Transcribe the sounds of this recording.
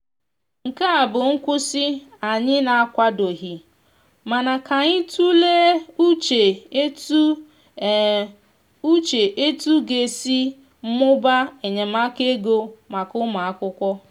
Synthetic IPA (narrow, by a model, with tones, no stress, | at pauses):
ŋ̩˨ka˦a˨bʊ˨ŋ̩˦kʷʊ˦si˦a˨ɲɪ˦na˨a˦kʷa˦do˨ɦi˨ | ma˨na˨ka˨ɲɪ˦tʰu˦le˦u˦t͡ʃe˨˦˨ | u˦t͡ʃe˨ʔe˦tu˦ɡe˨si˦ | m̩˦mʊ˦ba˦e˨ɲe˨ma˦ke˦ɡo˦ma˨kʊ˦ma˨a˦kʷʊ˦kʷɔ˦